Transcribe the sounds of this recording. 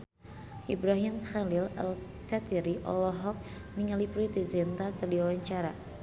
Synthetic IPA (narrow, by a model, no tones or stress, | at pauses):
ʔibɾaɦimxalila̰l | kat̪iɾiʔɔ̰lɔɦɔk̚ | niŋalipɾit̪izɛnt̪akɨrdiwawaɲt͡ʃaɾa